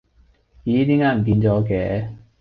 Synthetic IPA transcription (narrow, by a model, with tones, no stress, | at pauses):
jiː˨˦t̪iː˥ŋaː˦˥m̩˨˩k̬iː˧nt͡sɔː˨˥kɛː˨˧˦